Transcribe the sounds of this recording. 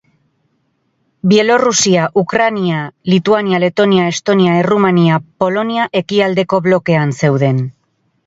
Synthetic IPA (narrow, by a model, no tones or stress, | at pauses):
bie̞lo̞rusiaʔukɾanialit̪uaniale̞t̪o̞niae̞st̪o̞niaerumaniapo̞lo̞niaʔe̞kiald̪e̞ko̞βlo̞ke̞anse̞wðe̞n